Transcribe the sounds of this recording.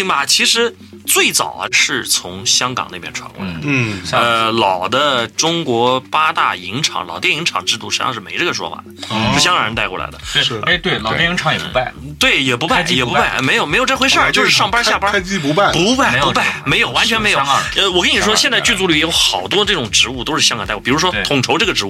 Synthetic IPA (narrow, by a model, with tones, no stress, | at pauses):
ŋbɐ˧t͡ɕʰi˧˥ʂɻ̩˧˥ | t͡swe˥˩ɪt͡sɑ̰˨˩ʊə˦ʂɻ̩˥˩t͡sʰʊ˧˥ŋɕjɑ˥ŋkɑ̰˨˩ŋne˥˩pjɛ̰˥nʈ͡ʂʰwa̰˧˥nkwa̰˥˩ə˧lɑ˨˩ʊd̪ə˦ʈ͡ʂʊ˥ŋkwɔ˧˥pa˥t̪a̰˥˩i˧˥ŋʈ͡ʂʰɑ̰˧˥ŋlɑ˨˩ʊt̪jɛ˥˩i˧˥ŋʈ͡ʂʰɑ̰˨˩ŋʈ͡ʂɻ̩˥˧t̪u˥˩ʂ̩˧˥jɑ̰˥˧ŋʂɻ̩˥˩me˧˥ɪʈ͡ʂɤ˥˩ɡə˩ʂwɔ̰˥fa̰˨˩d̪əʂ̩˥˩ɕjɑ˥ŋkɑ˨˧˩ɻt̪kwɔ˥˩la̰˧˥d̪ə˧˥t̪we˥˧˩lɑ˨jɛ˥˩i˧˥ŋʰɑ˧˥ŋjɛ˨˩pu˧˥pa˥˩t̪we˥˩ɪjɛ˨˩pu˧˥pa˥˧˩jɛ˨˩p̬u˧˥pa˥˩ɪme˧˥ɪjo˨˩ʊme˧˥jo˨˩t͡sxwe˥ɪʂə˥˧t͡ɕo˥˧ʊʂɻ̩˥˧ʂɑ˥˩ŋpa˥ɕja˥˧˩pa˥t͡ɕu˧˥ppu˧˥pa˥˩ɪpu˧˥pa˥˩me˧˥jo˨˩ʊwa˧˥nt͡ɕʰɥɛ˧nme˧˥ɪjo˦ə˧wɔ˨˩kə˥ni˨˩ʂwɔ˥ɕjɛ˥˧nt͡sa˥˧ɪt͡ɕy˥˧t͡su˥˧ly˥˩jɛ˥jo˧˥ʊxɑ˨˩ʊt̪wɔ˥ʈ͡ʂɤ˥˩ʈ͡ʂʊ˨˩ŋʈ͡ʂɻ̩˧˥u˥˩t̪o˥ʊʂɻ̩˥˩ɕjɑ˥ŋkɑ˨˩ŋt̪wɔ˥˩pi˨˩ɻu˧˥ʂwɔ˥˧˩t̪ʰʊ˨˩ŋʈ͡ʂʰo˧˥ʊʈ͡ʂɤ˥˩ɡəʈ͡ʂɻ̩˧˥u˥